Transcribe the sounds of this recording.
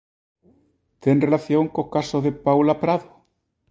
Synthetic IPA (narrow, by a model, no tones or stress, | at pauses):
t̪enrelaθjoŋkohkasoɦðepawlapɾaðo